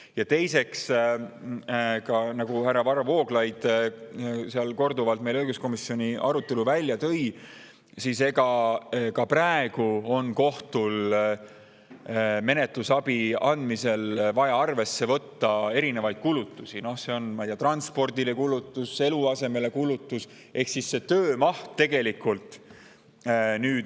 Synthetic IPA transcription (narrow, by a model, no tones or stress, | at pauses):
jɑt̪e̞jse̞ks | kɑnɑɡuhærːɑvɑɾɑvo̞ːɡ̥lɑjd̪̥ | seɑlko̞rd̪uvɑlt̪me̞jløjɡ̥usko̞misio̞nʲiʔɑɾut̪ːˑe̞luvælʲːjɑt̪ɤ̞j | sise̞ɡɑkɑpræeɡ̥uo̞nko̞ht̪ul | me̞ne̞t̪lusɑb̥iɑnd̪̥mise̞lvɑjɑɑrve̞sːe̞vɤ̞t̪ːɑe̞ɾine̞vɑjd̪̥̚kulut̪ːˑusino̞hse̞o̞nmɑjd̪ijɑt̪rɑnspo̞rd̪ile̞kulut̪ːˑuse̞luɑse̞me̞le̞kulut̪ˑːus | ʔe̞hksisːe̞t̪øːmɑht̪ːe̞ɡe̞likːˑult̪ˑ | nyːd̪